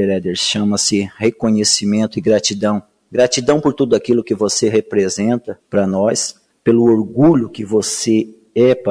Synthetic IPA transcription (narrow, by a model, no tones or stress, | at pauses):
eɾɛd̪eɾʃɐ̃mɐsɪhekõɲesimẽnt̪ʊɪɡɾat͡ʃid̪ɐ̃w̃ | ɡɾat͡ʃid̪ɐ̃w̃poɾt̪ud̪ʊakilʊkɪvoseɦepɾezẽnt̪ɐpɾɐnɔs | pelʊoɾɡuʎʊkɪvose | ɛp